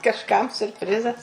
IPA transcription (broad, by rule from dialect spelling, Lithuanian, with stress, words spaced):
kɐʃˈkɐm sʲʊrʲpʲˈrʲɪzɐs